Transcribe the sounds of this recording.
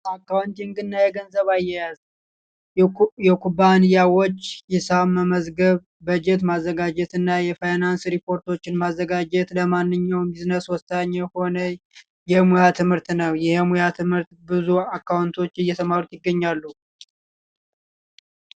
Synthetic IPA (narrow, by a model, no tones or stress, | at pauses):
akːawnt̪ɛŋɡɨnːajɛɡənzəβajːɛjaz | jɛkʰubanijawot͡ʃːjɛsaməməzɡəβːəd͡ʒɛt̪̬mazːəɡad͡ʒɛt̪ɨnːajɛfajnansɾipʰo̞ɾt̪ʰo̞t͡ʃːɪnmazːəɡad͡ʒɛt̪ləmanːɨɲːawmbiznəswɔst̪ʰaɲːɛho̞nə | jɛmujat̪ʰɨmhɨɾt̪nəwjɛhmujat̪ʰɨmhɨɾt̪bɨzuakːawnt̪ʰo̞t͡ʃːɨjɛt̪ʰəmaɾut̪jɪɡːəɲːalːu